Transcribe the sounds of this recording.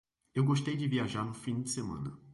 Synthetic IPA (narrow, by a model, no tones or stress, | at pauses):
ewɡoʃt̪ejd͡ʒɪviaʒaɾnʊfĩd͡ʒɪsemɐ̰̃nɐ